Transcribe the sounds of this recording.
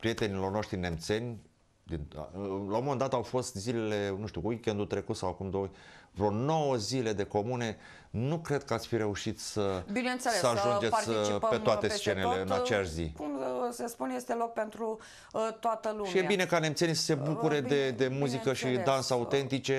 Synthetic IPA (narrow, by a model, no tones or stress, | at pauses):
pɾije̞t̪e̞nilo̞rno̞ʃt̪ɾine̞mt̪se̞nʲ | d̪in̰laomond̪at̪əawfo̞st̪zile̞le̞nuʃt̪ʲuwikʲend̪ut̪ɾe̞kut̪sawakumd̪ovɾo̞no̞wəzile̞d̪e̞ko̞mune̞ | nukɾe̞d̪̚kəat̪sʲfiɾe̞uʃit̪səbinent̪sesəaʒund͡ʒe̞t̪pe̞t̪oat̪e̞st͡ʃe̞neleɨnat͡ʃeaʃzḭkumsespunjest̪elok̚pe̞nt̪ɾu | t̪oat̪əluʃmijebine̞kane̞mt̪se̞nisə̥se̞bukuɾe̞d̪e̞d̪e̞muzikəʃid̪ansəaut̪e̞nt̪it͡ʃe̞